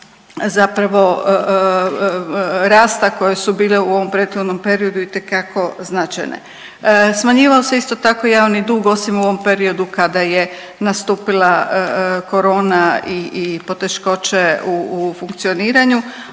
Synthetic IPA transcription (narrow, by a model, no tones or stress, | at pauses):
zapɾaʋo̞ | ɾaːst̪ako̞je̞subiːleuo̞ʋo̞mpɾeːd̪xo̞d̪no̞mpe̞ɾio̞d̪uit̪ekako̞znat͡ʃa̰jnḛ | smaɲiːʋaose̞ist̪o̞t̪ako̞jaːʋnid̪uːɡo̞simuoʋo̞mpe̞ɾio̞d̪ukad̪aje̞ | nast̪uːpilaəko̞ɾo̞ːnaiːpo̞t̪e̞ʃko̞t͡ɕeufuŋkt̪sio̞niːɾaɲu